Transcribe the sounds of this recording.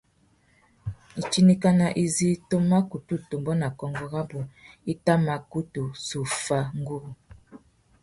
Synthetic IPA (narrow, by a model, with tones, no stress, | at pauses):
i˨t͡ʃi˦ni˦ka˦na˨ʔi˨zi˦to˦ma˦ku˨tu˦to˨mbɔ˦na˨kɔ˨ŋɡɔ˦ɣa˦bu˨i˦ta˦ma˨ku˦tu˨su˨fa˦ŋ˦ɡu˦ɣu˨